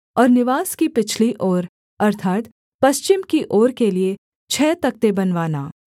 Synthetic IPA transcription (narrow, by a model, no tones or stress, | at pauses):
ɔːɾnɪʋaːskipɪt͡ʃʰliʔoːɾ | ɐɾt̪ʰaːt̪ | pɐst͡ʃɪmkiʔoːɾkelie | t͡ʃʰɛːt̪ɐk̚t̪ebɐnʋaːnaː